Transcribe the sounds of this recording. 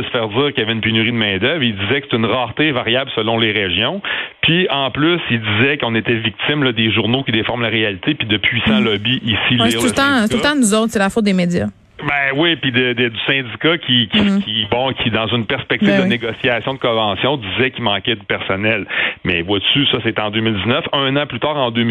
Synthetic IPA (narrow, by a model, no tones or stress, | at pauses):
əsə̥fɛːʁd͡z̪iːʁkʲjavɛynpenyʁid̪əmɛ̃ːd̪œvʁild̪izɛkəse̥t̪ɛynʁaːʁt̪evaʁjablsəlɔ̃leʁeʒjɔ̃pʰiɑ̃plysild̪izɛkɔ̃net̪ɛvik̚t̪ɪmlʌd̪eʒuʁnokʲid̪efɔʁmlaʁealit̪epid̪əpʰɥisɑ̃lɔbiʔisiliust̪ɑ̃st̪ult̪ɑ̃nuzɔʊt̪selafʊt̪̚d̪emed͡z̪ja | bɛ̃wipid̪əd̪d̪y̥sɛ̃dd͡zikakʲʰikʲikʰʲibɔ̃kʲʰid̪ɑ̃zynpɛʁspɛk̚t̪ivd̪əneɡɔsjasjɔ̃d̪əkɔ̃vɑ̃sjɔ̃d̪izɛkʲimɑ̃kʲɛd̪pɛʁsɔnɛlmɛ̰vwat͡s̪ysʌset̪ɛɑ̃d̪øːmild̪iznœfɛ̃nɑ̃plyt̪aːʁɑ̃d̪ø